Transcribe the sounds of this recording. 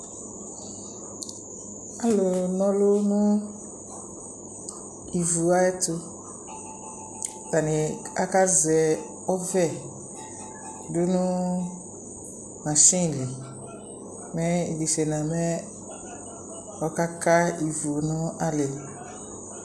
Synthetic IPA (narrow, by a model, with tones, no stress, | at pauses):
a˦lʊ˨nɔ̃˦lʊ˦nʊ̃˦ | i˨vu˨a˦ɛ˦tʊ˦ | ta˨nɪ̃˨a˦ka˦zɛ˨ | ɔ˦vɛ˦˨ | dʊ˦nʊ̃˦ | mã˨ʃĩ˦˨li˨ | mɛ̃˦ḭ˨li˨ʃe˨nã˨mɛ̃˦ | ɔ˨ka˦ka˦i˨vu˨nʊ̃˦a˦lɪ˨